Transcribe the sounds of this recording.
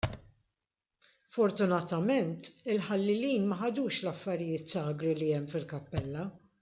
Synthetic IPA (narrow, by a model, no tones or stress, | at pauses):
fɔɾt̪ʊnɐt̪ɐmɛnt̪ɪlħɐlːɪliːnmɐħɐd̪uːʃlɐfːɐɾɪjɪːt̪sɐːɡɾiliɛmːfɪlkɐpːɛlːɐ